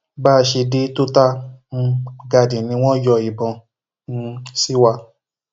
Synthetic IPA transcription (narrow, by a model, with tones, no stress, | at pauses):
baː˦˧ʃe˧de˦to˦ta˦m̩̃˧ɡa˧dĩ˨nĩ˨˦w̃ɔ̃˦jɔ˧i˨bɔ̃˧ | nũ˧si˦wa˧